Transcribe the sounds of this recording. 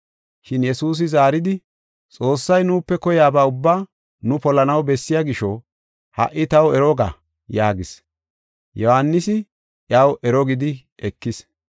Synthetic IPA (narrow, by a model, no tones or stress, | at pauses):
ʃɪnjɛsuːs̬ɪzaːɾɪd̪ɪ | t͡sʼo̞ːsːɐjnuːpːɛkɔjaːbaːʊbːaː | nʊpɔlɐnɐwbɛsːɪjaɡɪʃɔ | hɐ̰ʔɪt̪ɐwɛɾɔɡa̰ | jaːɡɪs | jɔhanːɪsɪ | ʔjɐwɛɾɔɡɪd̪ɪ | ʔɛkːɪs